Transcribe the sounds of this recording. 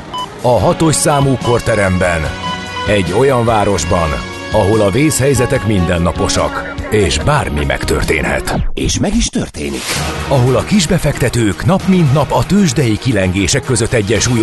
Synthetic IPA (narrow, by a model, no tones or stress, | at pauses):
ɒɦɒt̪o̞ʃsaːmuːko̞rt̪ɛɾɛmbɛn | ɛɟːo̞jɒɱvaːɾo̞ʒbɒn | ɒɦo̞lɒveːshɛjzɛt̪ɛkmind̪ɛnːɒpo̞ʃɒ̰k | eːʃbaːrmḭmɛ̰kt̪ø̰rt̪ḛːnhɛ̰t̪eːʃmɛɡiʃt̪ørt̪ḛːnḭkɒɦo̞lɒkiʒbɛfɛkt̪ɛt̪øːknɒpmind̪nɒpɒt̪øːʒd̪ɛjikilɛŋɡeːʃɛkːø̞zø̞t̪ːɛɟːɛʃuːj